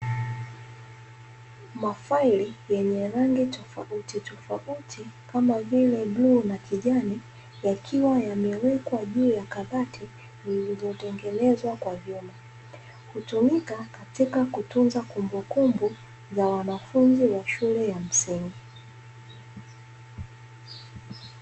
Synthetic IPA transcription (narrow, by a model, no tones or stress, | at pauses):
mafailijɛɲɛɾaŋɡitɔfa̰utitɔfautʰikamavilɛɓluːnakʰiʄani | jakʰiwajamɛwɛkwaʄuːjakaðatʰi | zilizɔtɛŋɡɛnɛzwakwavjuma | hutumikakatikakutunzakumbukumbu | zawanafunziwaʃulɛjam̩siŋɡi